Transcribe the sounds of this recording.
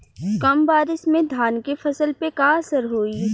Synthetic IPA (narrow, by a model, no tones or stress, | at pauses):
kɐmbaːɾɪsmẽd̪ʱaːnkefɐsəlpekaəsəɾɦoːi